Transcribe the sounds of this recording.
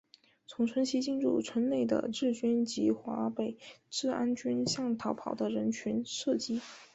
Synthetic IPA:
t͡sʰʊ˧˥ŋʈ͡ʂʰə˧˥nɕi˥t͡ɕi˥˧nɻṵ˥˩t͡sʰwə˧˥nne˥˩ɪd̪ə̰˩ʈ͡ʂɻ̩˥˩t͡ɕy˥nt͡ɕi˧˥xwa˧˥pe˨˩ɪʈ͡ʂɻ̩˥˩a˥nt͡ɕy˥nɕjɑ˥˩ŋt̪ʰɑ˧˥ʊpʰɑ˨˩ʊd̪ə˦ɻə˧˥nt͡ɕʰy˧˥nʂɤ˥˩t͡ɕi˥

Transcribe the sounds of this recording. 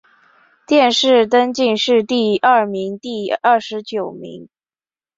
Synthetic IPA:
t̪jɛ˥˧nʂɻ̩˥˩t̪ə˥nt͡ɕi˥˧nʂɻ̩˥˧t̪i˥˧ɐ˥˩mi˧˥ŋt̪i˥˧ɐ˥˩ʂɻ̩˧˥t͡ɕjo˨˩ʊmḭ˧˥ŋ

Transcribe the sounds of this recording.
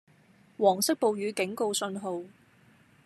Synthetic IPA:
wɔː˨˩ŋsɪ˥k̚po˨wjyː˨˧˥kɪ˨˥ŋko˧wsɵ˧nɦo˨˧w

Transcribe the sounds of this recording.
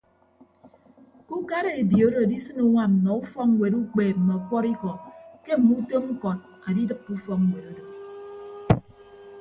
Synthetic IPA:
ku˦ka˦ɾe˨e˨bi˨o˦do˨di˦sɨ˦nu˦ŋʷa˦m̩˨nɔ˨u˦fɔ˦k̚ŋ̩˦we˨ɾu˦k͡peː˨m̩˨mɔ˨kʷɔ˦ɾi˦kɔ˨ke˦m̩˨mu˦to˦m̩˦kɔ˨t̚ | a˨di˦dɨ˨pːu˦fɔ˦k̚ŋ̩˦we˨ɾo˦do˨

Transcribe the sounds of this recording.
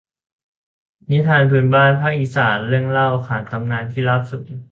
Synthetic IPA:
ni˦˥t̪ʰaː˧npʰɯ˧nbaː˥˩npʰaː˥˩k̚ʔi˧˩saː˩˦nɾɯ˥˩əŋla˥˩wʔa˧kʰaː˩˦nt̪ʰa˧mnaː˧nt̪ʰiː˥˩laː˦˥˩p̚su˨˩t̪̚

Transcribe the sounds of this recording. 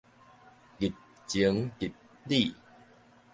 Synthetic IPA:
ki˨˩t̚ | t͡ɕi˨˦ŋki˨t̚ | li˥˧˨

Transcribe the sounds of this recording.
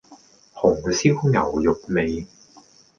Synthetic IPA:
hʊ˨˩ŋ˨˧si˥wŋɐ˨˩wjʊ˨k̚me˨˧j

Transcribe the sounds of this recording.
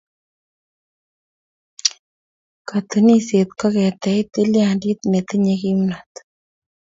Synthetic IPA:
ka˨t̪u˨ni˦se˨t̪kɔ˦kɛ˨t̪ɛ˨t̪e˦lja˨ndi˦t̪me˨t̪i˦ɲe˧ki˦mna˨t̪

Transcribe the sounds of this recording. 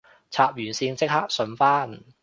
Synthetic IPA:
t͡sʰaː˧p̚jyː˨˩nsiː˧nt͡sɪ˥k̚ha˥k̚sɵ˨˥nfaː˥n

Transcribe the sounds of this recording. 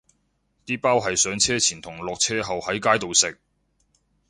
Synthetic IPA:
t̪iː˥paː˥wɦɐ˨jsœː˨˥ŋt͡sʰɛː˥t͡sʰiː˨˩nt̪ʰʊ˨˩ŋlɔː˨k̚t͡sʰɛː˥ɦɐ˨whɐ˨˥jkaː˥jt̪o˨wsɪ˨k̚

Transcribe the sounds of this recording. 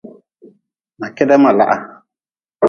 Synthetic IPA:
ma˨kɛ˦da˦ma˨la̰˨ʔa˨

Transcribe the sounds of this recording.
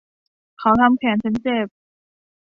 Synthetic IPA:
kʰa˩˦wt̪ʰa˧mkʰɛː˩˦nt͡ɕʰa˦˥nt͡ɕeː˥˧˩p̚

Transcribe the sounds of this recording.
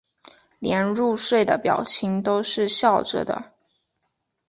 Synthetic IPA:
ljɛ˧˥nɻu˥˧ʂwe˥˩ɪd̪ə̰˩pjɑ̰˨˩ʊt͡ɕʰi˧˥ŋt̪o˥ʊʂɻ̩˥˧ɕjɑ˥˩ʊʈ͡ʂə̰˧˩d̪ə̰˩

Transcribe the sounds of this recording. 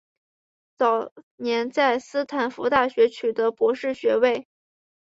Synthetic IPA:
t͡sɑ˨˩ʊ | njɛ˧˥nt͡sa˥˩ɪsɹ̩˥t̪ʰa˨˩nfu˧˥t̪a˥˩ɕɥɛ˧˥t͡ɕʰy˨˩d̪ə˦˥pwɔ˧˥ʂɻ̩˥˩ɕɥɛ˧˥we˥˩ɪ

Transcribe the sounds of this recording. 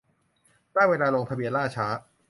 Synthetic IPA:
daː˥˩jweː˧laː˧loː˧ŋpʰa˧bi˧ənlaː˥˩t͡ɕʰaː˦˥

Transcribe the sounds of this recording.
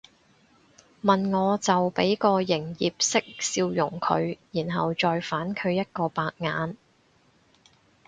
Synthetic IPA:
mɐ˨˩nŋɔː˨˧t͡sɐ˨wpe˨˥jkɔː˧jɪ˨˩ŋjiː˨p̚sɪ˥k̚siː˧wjʊ˨˩ŋkʰɵ˨˧ɥjiː˨˩nɦɐ˨wt͡ʃɔː˨jfaː˨˥nkʰɵ˨˧ɥjɐ˥t̚kɔː˧paː˧k̚ŋaː˨˧n

